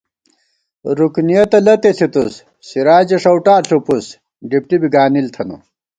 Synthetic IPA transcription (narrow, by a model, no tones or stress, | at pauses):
ɾuknijɐt̪ɐlɐt̪eɬʰit̪usː | iɾaːd͡ʑeʂɐwʈaːɬupus | ɖip̚ʈibiɡaːnilt̪ʰɐnṵ